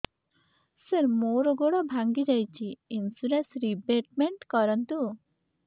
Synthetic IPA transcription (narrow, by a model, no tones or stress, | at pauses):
səɾmoɾɔɡoɽɔbʱaŋɡid͡ʒajt͡ɕʰiːnsuɾesɾibeʈmeɳʈkɔɾənt̪u